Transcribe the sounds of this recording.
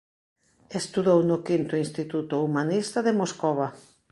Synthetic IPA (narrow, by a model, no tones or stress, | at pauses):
est̪uðownʊkint̪oinst̪it̪ut̪ʊumanist̪aðemoskoβa